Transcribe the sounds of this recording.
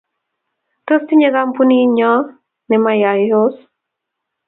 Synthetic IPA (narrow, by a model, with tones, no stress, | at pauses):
to˦sti˦ɲe˦ɡa˦mpu˦ni˦ɲɔ˦ | nɛ˨ma˦ja˨jo˦s